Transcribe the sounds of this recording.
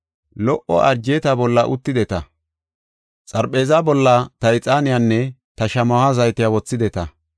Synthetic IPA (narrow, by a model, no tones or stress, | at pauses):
lɔʔɔ̰ɐɾd͡ʒeːt̪abɔlːɐʔʊt̪ːɪd̪ɛt̪ɐ | t͡sʼɐɾpʼe̞ːzabɔlːɐt̪ɐɪt͡sʼaːnɪjanːɛ | t̪ɐʃɐmɐhɐzɐjt̪ɪjawɔt͡sːɪd̪ɛt̪ɐ